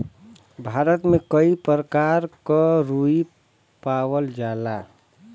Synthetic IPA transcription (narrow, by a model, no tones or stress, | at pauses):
bʱaɾət̪mekəipɾəkaɾkəɾui | pawəld͡ʒala